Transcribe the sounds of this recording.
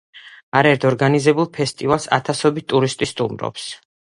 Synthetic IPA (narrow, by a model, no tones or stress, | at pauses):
aɾaɛɾt̪ʰɔɾɡanizɛbulˠpʰɛst̪ʼivalˠsa̰t̪ʰasɔbit̪t̪ʼuɾist̪ʼist̪ʼumɾɔ̰ps